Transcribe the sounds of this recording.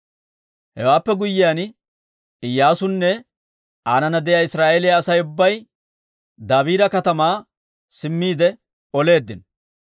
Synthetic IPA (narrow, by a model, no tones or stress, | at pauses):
hɛ̰waːpːɛɡʊjːɪjaːn | ɪjːaːsʊnːɛ | aːnɐnɐd̪ɛjaːɪsɾaːʔeːlɪjaːsɐjʊbːɐj | d̪aːbiːɾɐkɐt̪ɐmaː | sɪmːiːd̪ɛ | ɔle̞ːd̪ːɪn